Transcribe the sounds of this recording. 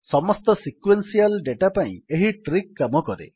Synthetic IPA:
sɔmɔst̪ɔsikwensialɖeʈapaḭ̃eɦiʈɾikːamɔkɔɾḛ

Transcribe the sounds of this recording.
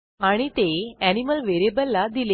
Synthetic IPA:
aɽ̃it̪eæniməlʋeɾebəlːad̪ile

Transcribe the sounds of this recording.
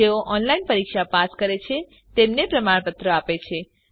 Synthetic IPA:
eoʔɔnlainpəɾikʃapaskəɾet͡ʃʰe | t̪emnepɾəmaɭpət̪ɾəapet͡ʃʰe

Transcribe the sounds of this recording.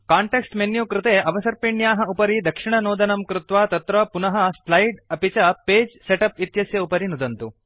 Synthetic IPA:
kaːɳʈeksʈmenjukɾɪt̪eːʔɐʋɐsɐɾpiɳjaːɦɐupɐɾid̪ɐkʂiɳɐnoːd̪ɐnɐmkɾut̪ʋaːt̪ɐt̪ɾɐpunɐɦɐslɐjɖɐpit͡ʃɐpeːd͡ʒseʈɐpit̪jɐsjɐupɐɾinud̪ɐnt̪u

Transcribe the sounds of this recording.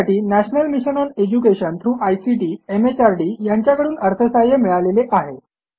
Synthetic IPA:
ʈiːnæɕnəlmiɕənɔned͡ʑukeɕənt̪ʰɾuːʔajsiʈiːemet͡ɕaɾɖiːjaɲt͡ɕjakəɽuːnəɾt̪ʰəsajəmiɭaleleʔaɦe

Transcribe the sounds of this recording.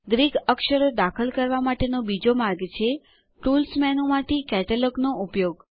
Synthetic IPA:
ɡɾiɡəkʃəɾod̪akʰəlkəɾʋamaʈenobid͡ʒomaɾɡt͡ʃʰe | ʈulsmɛnõmãʈikɛʈələknoʔupjoɡ

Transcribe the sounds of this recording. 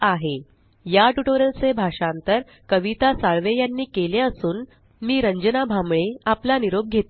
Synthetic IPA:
aɦe | jaʈuʈoɾəlt͡sebʱaʂant̪əɾ | kəʋit̪asaɭʋejanːiːkeleəsuːn | miːɾəɲd͡ʑənabʱamɭeaplaniɾob̚ɡʱet̪

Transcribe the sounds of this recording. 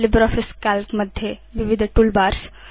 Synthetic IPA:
lɪbɾɔːfʰiskalkməd̪ʱjeʋiʋɪd̪ʱʈuːlbaːɾs

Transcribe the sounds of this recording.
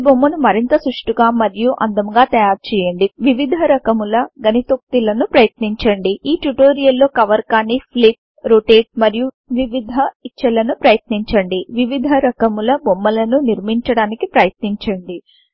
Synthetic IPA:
bomːɐnumɐɾint̪ɐsɾuʂʈuɡaːmɐɾijuʔɐ̰nd̪ɐmɡaːt̪ɐjaːɾt͡ʃɛːjɐɳɖiʋiʋid̪ʱɐɾɐkɐmulɐɡɐnit̪ok̚t̪ilɐnupɾɐjɐt̪niɲt͡ʃɐɳɖiiːʈuʈoːɾijɐlːo̞ːkɐʋɐɾkaːnipʰliʈ̚ | ɾoʈeːʈ̚mɐɾiju | ʋiʋid̪ʱɐit͡ʃːɐlɐnupɾɐjɐt̪niɲt͡ʃɐɳɖiʋiʋid̪ʱɐɾɐkɐmulɐbomːɐlɐnuniɾmiɲt͡ʃɐɽaːnikipɾɐjɐt̪niɲt͡ʃɐɳɖi

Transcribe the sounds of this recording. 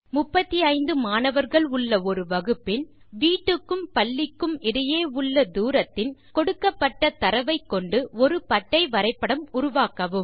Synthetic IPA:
mʊpːɐt̪ːiɐɪnd̪ɯmaːnɐʋɐɾɣɐɭʊɭːɐɔɾɯʋɐɣɯpːɪn | ʋiːʈːɯkːɯmpɐɭːɪkːɯmɪɽɐjeːʊɭːɐd̪uːɾɐt̪ːɪnkɔɽɯkːɐpːɐʈːɐt̪ɐɾɐʋɐɪkːɔɳɖɯɔɾɯpɐʈːɐɪʋɐɾɐɪpːɐɽɐmʊɾʊʋaːkɐʋɯm

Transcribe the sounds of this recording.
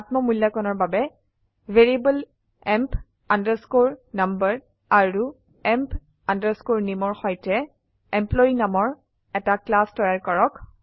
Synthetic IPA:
atmɔmulːakɔnɔɹbabɛ | veɹibəl | ɛmp | andəɹskoɹnambəɹ | aɹu | ɛmp | andəɹskoɹnimɔɹxɔjtɛ | ɛmplɔinamɔɹ | ɛtaklastɔjaɹkɔɹɔk

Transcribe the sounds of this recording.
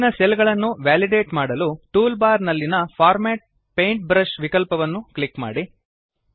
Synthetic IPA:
nɐsɛlɡɐɭɐnːuʋaːliɖeːʈmaːɽɐluʈuːlbaːɾnɐlːinɐpʰaːɾmɛːʈ̚ | pejɳʈ̚bɾɐʃʋikɐlpɐʋɐnːuklikma̰ːɽi

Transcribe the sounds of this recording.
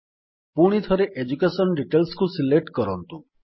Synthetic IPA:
puɽ̃it̪ʰəɾeʔed͡ʒukesənɖiʈelskũsileʈkəɾɔnt̪ũ

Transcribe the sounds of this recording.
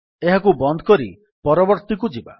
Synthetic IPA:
eɦakubɔnd̪ʱɔ̥kɔɾḭ | pɔɾɔbɔɾt̪ik̬ud͡ʒiba̰

